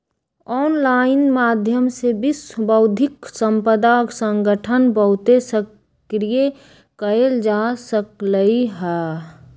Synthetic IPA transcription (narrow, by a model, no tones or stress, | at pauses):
ɔːnlaːɪnmaːd̪ʱjəmsebisbəʊd̪ʱɪksə̃mpəd̪aksə̃ŋɡəʈʰənbəɦʊt̪esək | ɾije | kəeld͡ʒasəkləiɦɛ